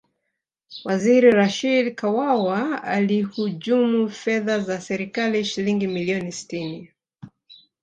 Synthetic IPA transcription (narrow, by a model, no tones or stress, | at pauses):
waziɾiɾaʃidkawawaalihuʄumufɛðazasɛɾikaliʃiliŋɡimiliɔnisi̥tini